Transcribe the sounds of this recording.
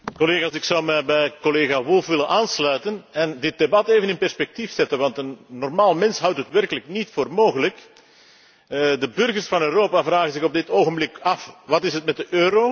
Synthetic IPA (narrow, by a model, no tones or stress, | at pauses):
kɔleːɣaːsɪksɑwmɛbɛjkɔleːɣaʋʊlˠfʋɪlənʔaːnslœɥtənɛndɪt̚debɑteːvənɪnpɛrspɛk̚tifsɛtənʋɑntənːɔrmaːlˠmɛnsɦʌwtɦətʋɛrkələknitfoːrmoːɣələk | dəbʏrɣərsfɑnøːroːpaːvraːɣənzɪɣɔb̚dɪtoːɣəmblɪkɑfʋɑtɪsɦətmɛt̚dəʔøːɾoː